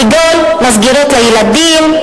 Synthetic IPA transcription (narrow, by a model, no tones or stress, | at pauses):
iɡol | mazɡiʁot̪lajelad̪im